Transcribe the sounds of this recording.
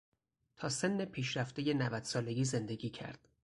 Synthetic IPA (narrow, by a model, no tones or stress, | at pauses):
t̪ʰɒːse̞nːe̞pʰiːʃɾæft̪eje̞nævæd̪̥sɒːle̞ɡʲiːze̞nd̪e̞ɡʲiːcʰæ̰ɾd̪̥